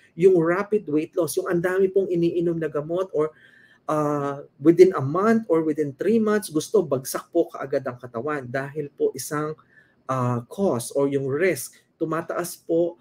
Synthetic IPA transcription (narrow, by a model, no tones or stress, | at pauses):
jʊŋɹapɪd̪wejt̪losjʊŋʔɐnd̪aːmɪpoŋɪniːʔɪnomnɐɡɐmo̞t̪ʔoɹ | ʔawɪd̪ɪnɐmant̪oɹwɪd̪ɪnt̪ɾimant̪sɡʊst̪o̞bɐɡ̚sɐk̚po̞kɐʔɐɡad̪ɐŋkɐt̪ɐwand̪aːɦɪlpo̞ʔɪsaŋ | ʔakʰosʔoɹjʊŋɹɪsk | t̪ʊmaːt̪ɐʔaspo̞ʔ